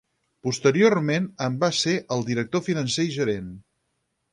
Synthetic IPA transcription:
pust̪əɾiormenəmbaseʔəlˠd̪iɾək̚t̪ofinənsejʒəɾen

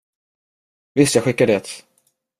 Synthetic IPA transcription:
vɪst̪jaːɡɧɪkːaɖɛt̪

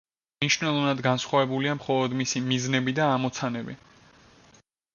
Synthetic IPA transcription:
mniʃnɛlˠɔvnad̪ɡansχwavɛbuliamχɔlˠɔd̪misimiznɛbid̪aːmɔt̪sʰanɛbḭ

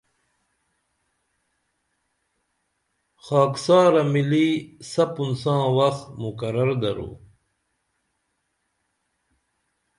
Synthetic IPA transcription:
xɑːksaːɾɐmilisɐpunsãːwɐxt̪mukɐɾɐɾd̪ɐɾṵː

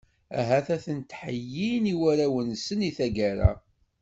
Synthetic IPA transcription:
æ̰ɦæθæθənt̪ħəjːiniwæɾæwənsəniθæɡæɾæ̰

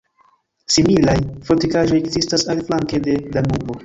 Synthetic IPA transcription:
similajfo̞tikaʒo̞jekzistasalflaŋke̞de̞damubo̞

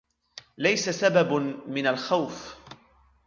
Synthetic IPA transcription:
lajsasababmɪnalxawf

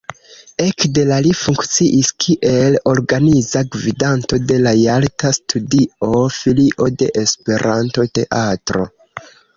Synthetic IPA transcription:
e̞kde̞lalifuŋkt͡siʔiskʰiʔe̞lo̞ɾɡanizaɡvidanto̞de̞lajaltastʰudio̞filiʔo̞de̞ʔespe̞ɾʔanto̞te̞ʔatɾo̞̰

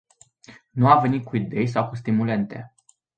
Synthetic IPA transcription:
nuave̞nit̪̚kuid̪e̞js̬awkust̪imule̞nt̪e̞̰

